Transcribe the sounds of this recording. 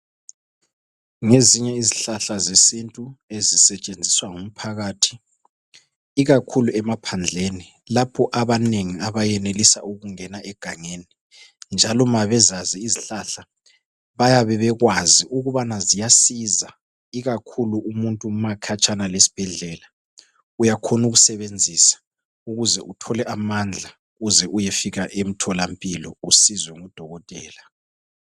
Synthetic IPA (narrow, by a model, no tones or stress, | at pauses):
ŋeziɲɛiziɬaɬazesintʼuezisɛt͡ʃʼend͡zʱiswaŋum̩pʰaɣaːtʰi̥ | ɣakʰuluɛmapʰand͡ɮʱeni | lapʰɔʔaβaneŋiaβajɛnelisa̰uɣuŋɛnaʔɛɡ̥ʱaŋeːni | nd͡ʒʱalɔmaβɛzaziːziɬaɬa | βajaβɛβɛɣwaziʔuɣuβanazijasiza | iɣakʰuluʔumuntʼumakʰat͡ʃʰʼanalesi̥b̥ʱɛɮɛːla | ujakʰonuɣusɛβend͡zʱisḁ | uɣuzɛʔutʰɔlɛʔamand͡ɮʱa | uɣuzɛʔujefiɣaʔem̩tʰɔlampʼilɔusizwɛŋud̥ʱɔɣɔtʼɛ̰ːla